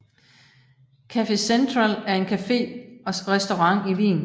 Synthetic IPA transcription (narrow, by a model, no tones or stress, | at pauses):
kʰæfe̝send̥ʁɑlæɐe̝nkʰæfe̝̰ːɒ̽ʁɛsd̥oʁɑ̈ŋ̰iʋḭːn̩